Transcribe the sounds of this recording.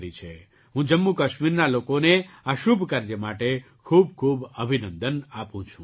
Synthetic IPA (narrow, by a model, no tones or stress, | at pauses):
ɾit͡ʃʰe | ɦũd͡ʒəmːukəʃmiɾnalokoneaʃubʱkaɾd͡ʒəmaʈe | kʰub̚kʰubəbʱinə̃nd̪ənapũt͡ʃʰũ